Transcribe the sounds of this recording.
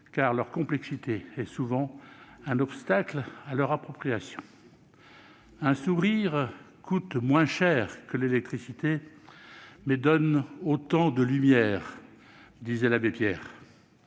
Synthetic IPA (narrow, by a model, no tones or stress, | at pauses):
kaʁlœʁkɔ̃plɛksit̪eɛsuvɑ̃ɛ̃nɔpst̪aklalœʁapχɔpχijasjɔ̃ | ɛ̃suʁiʁ | kut̪mwɛ̃ʃɛʁkəlelɛk̚t̪χisit̪e | mɛd̪ɔnot̪ɑ̃d̪əlymjɛːʁ | d̪izɛlabepjɛːʁ